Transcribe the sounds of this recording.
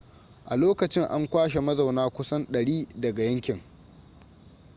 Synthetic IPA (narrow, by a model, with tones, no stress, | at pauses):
ʔa˨loː˦kɐ˨t͡ʃɪ˦ŋʔa˦ŋkʷaː˦ʃe˨mɐ˦zɐ˨wnaː˦kʷʊ˦sɐ˦nɗɐ˨ɽiː˦dɐ˨ɡa˨jɐ˦ŋkʲɪ˨ŋ